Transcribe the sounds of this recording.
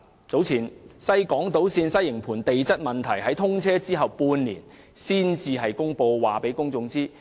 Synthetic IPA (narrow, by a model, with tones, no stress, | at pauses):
t͡so˨˥wt͡sʰiː˨˩nsɐ˥jkɔː˨˥ŋt̪o˨˥wsiː˧nsɐ˥jɪ˨˩ŋpʰuː˨˩nt̪e˨jt͡sɐ˥t̚mɐ˨˩nt̪ʰɐ˨˩jɦɐ˨˥jt̪ʰʊ˥ŋt͡sʰɛː˥t͡siː˥ɦɐ˨˩wpuː˧nniː˨˩n | siː˥nt͡siː˧ɦɐ˨jkʊ˥ŋpo˧wwaː˨˩pe˨˥jkʊ˥ŋt͡sʊ˧ŋt͡siː˥